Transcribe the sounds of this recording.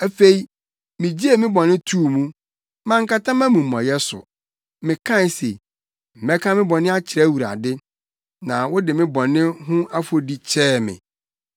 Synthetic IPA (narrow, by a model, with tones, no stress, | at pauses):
æ˦fe˨i˨ | mɪ̃˨d͡ʑi˦e˨mɪ̃˦bɔ̃˨nːɪ̃˦tʰuː˦˨mũ˦ | mã˦ŋ̩˦ka˦tʰã˦mã˦mɪ̃˨m̩˨mɔ̰̃˨jɛ˦sʊ̰˨ | mɪ̃˨kʰã˦˨n˨sḛ˨ | m̩˨mɛ˦kʰã˦mɪ̃˦bɔ˨nɪ̃˦a˦t͡ɕʰɪ˨ɾɛ˦˨wu˨ɾa̰˨dɪ˦ | nã˨wʊ˦dɪ˨mɪ̃˦bɔ̃˨nɪ̃˦ɦʊ̃˦a˦fo˦di˦t͡ɕʰɛː˦˨mɪ̰̃˨